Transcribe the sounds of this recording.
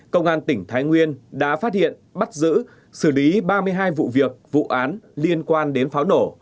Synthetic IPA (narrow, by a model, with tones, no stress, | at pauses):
kə˧wŋ͡mʔaː˧nt̪ï˧˩ŋ̟t̪ʰaː˨˦jŋwi˧ənɗa̰ː˧˥faː˦˥t̚hḭ˧˨ənɓa˦˥t̚zɨ̰˧˥ | sɨ˧˩li˨˦ɓaː˧mɨ˧əjɦaː˧jvṵ˧˨vi˨˩ək̚vṵ˧˨ʔaː˨˦nli˧ənkwaː˧nɗe˨˦nfaː˨˦wno˧˩